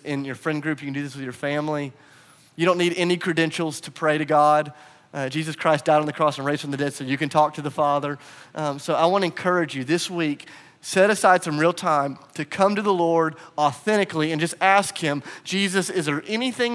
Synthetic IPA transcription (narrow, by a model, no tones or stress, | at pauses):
ʔɪ̃njə˞fɹɛ̃nd̚ɡɹʉpjɨkʰn̩dɨðɪswɨðjə˞fæ̃mli | jɨɾõʊ̃nːiɾɛnikʰɹ̥ɨdɛ̃nʃl̩ˠz̥tʰɨpʰɹ̥eɪɾɨɡɑd̚ | d͡ʒizɨskʰɹ̥aɪstd̥aɪɾn̩ðɨkʰɹ̥ɔsn̩ɹeɪz̥fɹə̃m̩ðɨdɛd̥soʊjɨkɨ̃ntʰɔk̚tʰɨðəfɑðə˞soʊaɪwɑ̃nɨɨ̃nkʰɜ˞ɨd͡ʒjɨðɪswik | sɛɾɨsaɪd̥sʌ̃mɹilˠtʰãɪ̃mtʰɨkʰʌ̃mtɨðəlɔɹdəθɛ̃ɾ̃ɨkliɨ̃nd͡ʒʌstæskhɪ̃m̥d͡ʒ̥izɨsɪzə˞ʔɛniθɪ̃ŋ